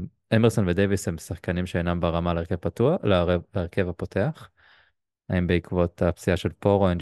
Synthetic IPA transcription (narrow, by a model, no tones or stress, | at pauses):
emeʁso̞nved̪evishemsaχkanimʃeenambaʁamaleeʁkev̥patualeʁke̞vapo̞tʰe̞aχ | haimbeikvo̞tapt͡siaʃelpoʁoen